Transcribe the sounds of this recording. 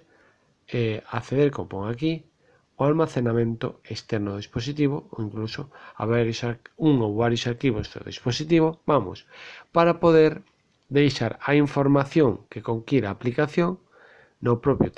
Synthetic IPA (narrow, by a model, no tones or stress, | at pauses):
eaθeðeɾko̰mpoŋaki | oalmaθenamẽnt̪o̰est̪ɛɾnoðispos̬it̪̬iβoo̰iŋklusoa̰βaɾjosauŋowβaɾjosaɾkiβozðo̰ðḭsposit̪̬iβ̞obamo̰spaɾapoðeɾ | d̪ejʃaɾaiɱfoɾmaθjoŋkekoŋkiɾaːplikaθjoŋ | nopɾopjʊt̪